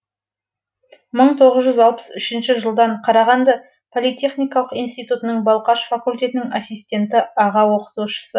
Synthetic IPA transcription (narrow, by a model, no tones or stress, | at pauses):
məɴt̪ʰo̞ʁəzʒʏzɑlˠpə̥sʏʃɪnʃɪʒəlˠd̪ɑɴqʰɑɾɑʁɑnd̪ɑ | pʰolʲˠijt̪ʲe̞χnijkɑlˠəqijnst̪ijt̪ut̪ənəɴbɑlˠqɑʃfakulʲt̪ʲe̞t̪ɪnɪŋasːijst̪ʲe̞nt̪ɪɑʁɑwo̞qə̥t̪uʃə̥sə